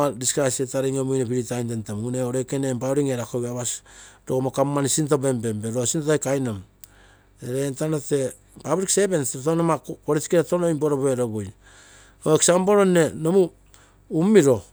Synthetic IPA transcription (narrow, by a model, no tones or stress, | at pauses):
adiskɾasetaɾiŋomujnepiɾitajntentomuŋuneoɾekenembaɾiŋeɾakoaβasɾoɡomokamːanisintobe̞mbe̞mbeɾosintotajkajnom | eɾentanote̞ | pabɾiksebenttonomakpoɾiskeɾetonoimboɾobeɾoboj | oeksamboɾone̞nomu | umiɾo̞